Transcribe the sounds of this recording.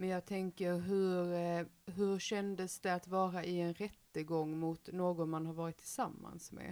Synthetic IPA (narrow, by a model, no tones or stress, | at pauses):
mɛnjɑːɡt̪ʰɛŋkəɾɦɵɾɦɵɾɕɛnd̪əsd̪ɛat̪vɑːɾaʔɪɛnɾɛt̪ːəɡɔŋːmʊt̪noːɡɔnmanɦaɾvɑːɾɪt̪ʰːɪlsamːa̰nsmɛ̰